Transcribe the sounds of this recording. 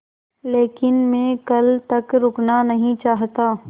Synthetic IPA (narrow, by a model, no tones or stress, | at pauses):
leːkɪnmẽkɐlt̪ɐkɾʊknanɐɦĩt͡ʃaːɦt̪aː